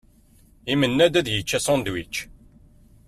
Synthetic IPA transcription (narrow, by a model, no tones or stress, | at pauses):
imənːæd̪æðjət͡ʃːæsɑnd̪wit͡ʃː